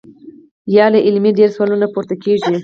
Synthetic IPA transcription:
jɑlaʔɪlmiɖeɾswalunapuɾt̪akeʒi

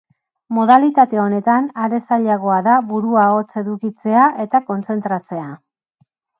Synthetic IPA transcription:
mo̞ð̞alit̪at̪e̞o̞ne̞t̪anaɾe̞saʎaɣ̞o̞aðaβuɾuao̞t͡se̞ðukit͡se̞aʔe̞t̪ako̞nt͡se̞nt̪ɾat͡se̞a

